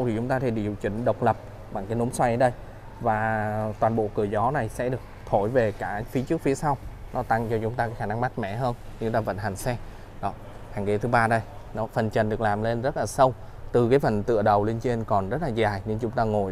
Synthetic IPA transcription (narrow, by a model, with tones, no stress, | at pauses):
wt̪ʰi˨˩t͡ɕʊ˨˦ŋ͡mt̪aː˧t̪ʰe˧ɗḭ˧˨ə˨˩wt͡ɕï˧˩ŋ̟ɗə˨˩wk͡p̚lə˨˩p̚ | ɓa˨˩ŋkaː˨˦jno˨˦mswa˧jʔə˧˨˦ɗə˧j | vaː˨˩t̪waː˨˩nɓo̰˧˨kɨ˧˩əzɔ˨˦na˨˩jsɛ̰˧˥ɗɨ˨˩ək̚t̪ʰo˧˩jve˨˩kaː˧˩fi˨˦t͡ɕɨ˦˥ək̚fi˨˦əsa˧wnɔ˨˦t̪a˧ŋt͡ɕɔ˧t͡ɕʊ˨˦ŋ͡mt̪aː˧kaː˨˦jxaː˧˩na˧ŋma˦˥t̚mɛ̰˧˩ɦəː˧n | ɲɨ˧laː˨˩və̰˧˨nɦa˨˩jŋ̟sɛ˧ | ɗɔ˨˦ | haː˨˩ŋke˨˦t̪ʰɨ˨˦ɓaː˧ɗə˧j | nɔ˨˦fə˨˩nt͡ɕə˨˩nɗɨ˨˩ək̚laː˨˩mle˧nzə˦˥t̚laː˨˩sə˧w | t̪ɨ˨˩kaː˨˦jfə˨˩nt̪ɨ̰˧˨əɗə˨˩wle˧nt͡ɕe˧nkɔ˨˩nzə˦˥t̚laː˨˩zaː˨˩jɲɨ˧ŋt͡ɕʊ˨˦ŋ͡mt̪aː˧ŋo˨˩j